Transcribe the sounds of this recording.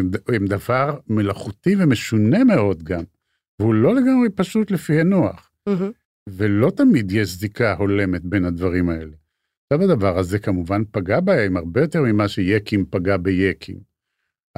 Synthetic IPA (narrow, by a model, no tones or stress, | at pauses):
emd̪avaʁme̞laχut̪ivemeʃune̞meo̞d̪ɡam | veulo̞le̞ɡamʁepaʃut̪lefihanoa̰χ | velo̞t̪amid̪jeʃzikaho̞le̞me̞t̪be̞nhad̪vaʁimae̞le̞ | ʃavad̪avaʁhaze̞kamuvanpaɡabaemaʁbejo̞t̪eʁmimaʃejekimpaɡabejekʰḭm